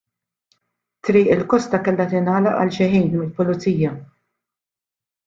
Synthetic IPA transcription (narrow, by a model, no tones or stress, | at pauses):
t̪ɾiːʔɪlkɔst̪ɐkɛlːɐt̪ɪnɐːlɐʔɐ̰lʃɪħiːnmɪlpʊlʊt͡siːjɐ